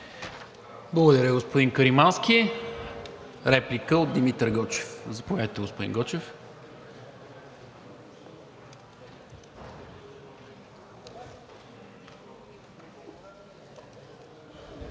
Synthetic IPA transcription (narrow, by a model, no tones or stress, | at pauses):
blˠəɡod̪ɐɾʲəɡospod̪iŋkəɾimanskʲi | ɾɛplikəot̪̚d̪imit̪ɾɡɔt͡ʃɛ̥fzɐpovʲjad̪t̪ɛɡospod̪ḭŋɡɔt͡ʃɛf